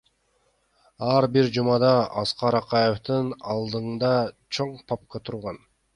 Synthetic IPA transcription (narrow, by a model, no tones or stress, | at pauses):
ɑɾbiɾd͡ʒumɑd̪ɑɑsqɑɾɑqɑjeft̪ɯnɑlˠd̪ɯnd̪ɑt͡ʃʰoɴpʰɑp̚kɑt̪ʰuɾʁɑn